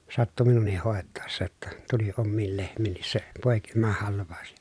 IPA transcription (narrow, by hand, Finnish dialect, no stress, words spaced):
sɑtːu minunˑih hoˑetɑˑesːɑ tːɑ tuli omːiːl lehmˑiːnːis se poˑekimɑhɑlʋˑɑˑu̞s